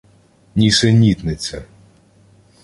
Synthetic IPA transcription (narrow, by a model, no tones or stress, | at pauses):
nʲiʃɛnʲit̪nɪt͡sʲɐ